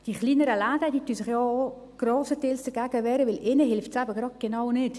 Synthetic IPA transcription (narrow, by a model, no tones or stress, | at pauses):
d̥iχliːnəɾəlaːdədiːtyːsɪχjɔo | ɡ̥roːsətɪːlsd̥əɡ̥æːɡəʋɛːɾəʋɪlʔɪnəɦɪlftsæbəɡ̥ɾɑd̚ɡ̥enawnɪt